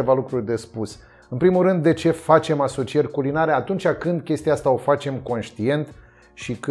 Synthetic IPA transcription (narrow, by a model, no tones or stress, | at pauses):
evalukɾurʲd̪e̞spus | ɨnpɾimulɾɨnd̪ːe̞t͡ʃe̞fat͡ʃe̞maso̞t͡ʃie̞rʲkulinaɾe̞at̪unt͡ʃʲakɨnd̪kʲe̞st̪iaast̪ao̞fat͡ʃe̞mko̞nʃt̪ie̞nt̪ | ʃikɨ